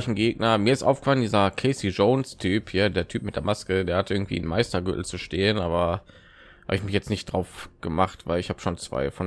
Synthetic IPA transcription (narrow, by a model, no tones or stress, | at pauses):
ɪçn̩ɡeːɡnɐmiːɐɪstʔaʊfɡə̥faləndiːzɐkʰɛɪsiʒoʊnstʰyːphiːɐdeːɐtʰyːpmɪt̚d̥eːɐmaskədeːɐhatʔɪɐɡŋ̩tv̥ḭːnmaɪstɐɡø̰tl̩t͡suʃteːənʔaːbɐ | ha̰ːbəɪçmɪçjɛt͡stnɪçtd̥ʁaʊfɡ̥əmaχtv̥aɪlɪçhaːbəʃoːnt͡sv̥a̰ɪfɔn